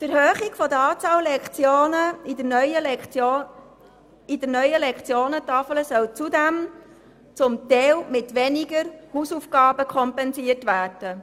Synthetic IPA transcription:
təɾhøːχɪɡ̥fɔd̪əɑːt͡sɑːllɛkt͡sjoːnəid̪əɾnœjə | id̥̪ənœʏəlɛkt͡sjoːnətɑfələsœlt͡sud̪ɛm | t͡sʊmt̪ɛwmɪtʋɛniɡəɾhuːsufɡ̥ɑːbəkʰχɔmpɛnsiərtʋæːrd̥ə

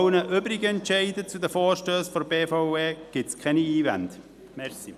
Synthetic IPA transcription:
ʊnəʔøːbɾɪɡəɛntt͡ʃɛɪdət͡sudəfoːɾʃtøːsfɔɾbeːfoeːɡ̥ɪtskʰɛniiːvɛ̰nd | mɛɾsi

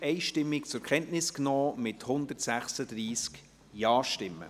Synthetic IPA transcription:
ɛɪʃtɪmːɪkt͡sʊɾkʰɛntnɪsknɔːmɪthʊnd̪ətsæχsədɾiːsk | jɑːʃtɪmːə̰

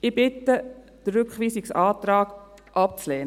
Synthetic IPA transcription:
ɪbɪtːə | d̥əɾːʏkχʋiːsɪksɑːt̪ɾɑːɡ̥ | ʔɑp̚t͡slɛːn

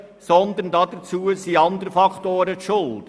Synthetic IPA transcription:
sɔnd̪əndɑd̥̪ət͡suːəsiːɑnd̪əɾəfɑktoːɾət̪ʃʊld

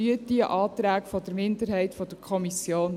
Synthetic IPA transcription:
yət̚d̥iəʔɑːt̪ɾæːkfɔd̥əɾmɪndəɾɦɛɪtfɔd̥əkʰɔmisjoːn

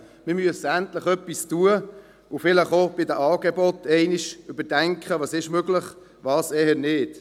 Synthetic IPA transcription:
mɪmyəsəæntləχœpːistuə | ofɪləχob̥ɪdəʔɑːɡebɔtɛɪniʃʏbədɛŋkχəʋɑːsɪʃmøɡlɪχ | vɑːsɛɦənɪːt

